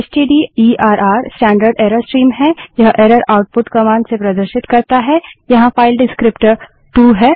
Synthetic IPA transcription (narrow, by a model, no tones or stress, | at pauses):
esʈiːɖiːiːaːɾʔaːɾsʈɛ̃ːɳɖəɾɖeːɾəɾsʈɾiːmɦɛ̃jɐɦʔeːɾəɾaːʊʈ̚pʊʈkɐmaːnsepɾɐd̪əɾʃɪt̪kɐɾt̪aɦɛjɐɦãfaːɪlɖɪskɾɪpʈəɾ | ʈuːɦɛː